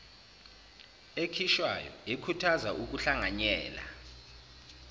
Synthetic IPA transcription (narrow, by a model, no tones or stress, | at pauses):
ekʰiʃwa̰jɔ̰ikʰutʰazaʔuk̬uɬaŋaɲɛːla̰